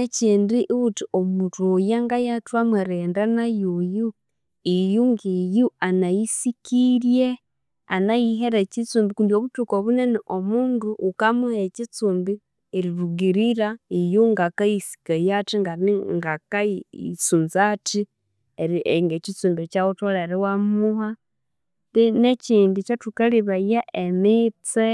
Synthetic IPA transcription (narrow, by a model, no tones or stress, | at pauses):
eciːndiʔβutiʔomutojaŋɡajatwamaɾeːndanajuju | ijuŋɡijuanajisikiɾje | anajiɦeɾecit͡suːmbikundioβutukoβuneneʔomuːnduʔːkamuhecit͡suːmbi | eɾiɾuɡiɾiɾaijuŋɡakajisi̥kajatiŋɡaiŋɡakait͡sunzati | eɾieŋɡecit͡suːmbit͡ʃautolaeɾiwamuha | tineciːndit͡ʃatukaliβajaʔemit͡se